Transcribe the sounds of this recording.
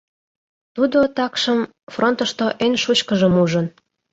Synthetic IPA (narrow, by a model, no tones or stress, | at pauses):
t̪ud̪ot̪ɑkʃəm | frʔont̪ə̆ʃt̪oʔenʲʃut͡ɕkəʒəmuʒən